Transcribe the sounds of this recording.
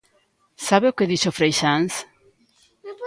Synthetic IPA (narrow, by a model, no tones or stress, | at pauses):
saβeokeðiʃofɾejʃans